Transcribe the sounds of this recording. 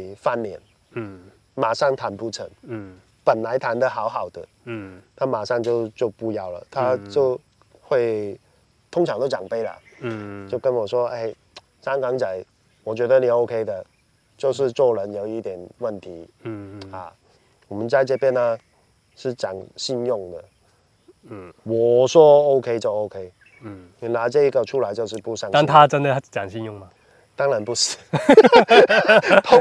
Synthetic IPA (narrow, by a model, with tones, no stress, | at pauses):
fa˥˩nljɛ˨˧˥n | ma˨˩ʂɑ˥˩ŋt̪ʰa˧˥npu˥˩ʈ͡ʂʰə̰˧˥ŋ | pə˨˩nla˧˥ɪt̪ʰa˧˥nd̪ə˧xɑ˧˥ʊxɑ˨˩ʊd̪ə̰˦ | t̪ʰa˥˩ma˨˩ʂɑ˥˧ŋt͡ɕjo˥˧ʊt͡ɕjo˥˧ʊpu˥˧jɑ˥˩ʊlə̰˩t̪ʰa˥t͡ɕjo˥˧ʊ | xwe˥˧ɪ | t̪ʰʊ˥ŋʈ͡ʂʰɑ˧˥ŋt̪jo˥˧ʊɑ˨˩ŋpe˥ɪlə̰˨˩t͡ɕjo˥˩ʊkə˥nwɔ˨˩ʂwɔ˥e˥˩ɪ | t͡ɕɑ˥ŋkɑ˧˥ŋt͡ɕa˨˩˦ɪ | wɔ˨˩t͡ɕɥɛ˧˥d̪ə˧ni˨˩o˥˧ʊkʰe˥ɪd̪ə˨ | t͡ɕjo˥˧ʊʂ̬ɻ̩˥˧t͡swɔ˥˩lə˧˥njo˨˩ʊi˥˩t̪jɛ˨˩nwə˥˩nt̪ʰi˨˧˦ | a̰˥˧ | wɔ˨˩mə˦nt͡sa˥˧ɪʈ͡ʂə˥˧pjɛ˥˧nə˧ | ʂɻ̩˥˩t͡ɕjɑ̰˨˩ŋɕi˥˧njʊ˥˩ŋd̪ə̰˩ | wɔ˨˩ʂwɔ˥o˥ʊkʰe˥ɪt͡ɕjo˥˧ʊo˥ʊkʰe˥ɪ˨˩ | na˧˥ʈ͡ʂɤ˥˧i˥ɡə˨ʈ͡ʂʰu˥la˧˥ɪt͡ɕjo˥˧ʊʂ̬ɻ̩˥˧pu˥˧sɑ˥˧ŋ˥˧˥t̪ʰa˦ʈ͡ʂə˦˥nd̪ə˨˥t͡ɕjɑ̰˨˩ŋɕi˥˧njʊ˥˩ŋmɐ˨ | t̪ɑ˥ŋɻa˧˥npu˥˩sɹ̩˨˩˦ | t̪ʰʊ˥